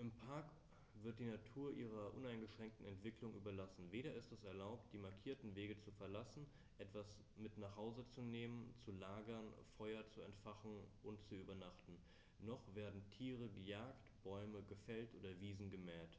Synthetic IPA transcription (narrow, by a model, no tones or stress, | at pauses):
ʔɪmpʰaɐk | v̥ɪɐt̚d̥iːnatʰuːɐʔiːʁ̞ɐʔʊnaɪnɡəʃʁ̥ɛŋk̚tn̩ɛntv̥ɪklʊŋʔyːbɐlasn̩veːɾɐɪstɛsɛɐlaʊp̚t̚d̥iːmaɐkʰiːɐtn̩veːɡət͡sufɛɐlasn̩ | ʔɛtv̥as | mɪtnaːχhaʊzət͡suneːmənt͡sulaːɡɐnfɔʏɐt͡suɛntfaχn̩ʔʊntt͡suyːbɐnaχtn̩ | nɔχv̥eːɐdn̩tʰiːʁ̞əɡəjaːktb̥ɔʏməɡəfɛltʔoːdɐviːzn̩ɡəmɛːt